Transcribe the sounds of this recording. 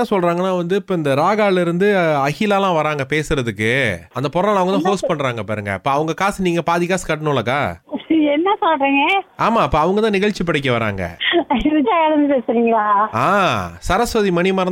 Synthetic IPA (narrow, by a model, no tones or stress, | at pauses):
ãːsɔlrɾaːŋɡɐnːaːʋɐnd̪ɯpːɐɪnd̪ɐɾaːɣaːɭɪɾɯnd̪ɯɐɣɪlaːlãːʋɐɾaːŋɡɐpeːsɯɾɐðɯkːɯɐnd̪ɐpɔɾɐlɐʋɐŋɡɐt̪ãːhoːspɐɳːɾaːŋɡɐpːa̰ːɾɯŋɡɐ̰pːɐɐʋɐŋɡɐkaːsniːŋɡɐpaːðɪɣaːskɐʈːɐnɯɭːɐkaːɛnːɐsɔlɾiːŋɡɐaːmaːɪpːɐːɐʋɐŋɡɐt̪ãːnɪɣɐɭt͡ʃːipɐɽɛk̬ːɐʋɐɾa̰ːŋɡɐ̰ɪʋɐt͡ʃːaːɐɽɐnd̪ɯpeːsɪɾiːŋɡɐɭaːaːsɐɾɐsʋɐðimɐɳimɐɾɐn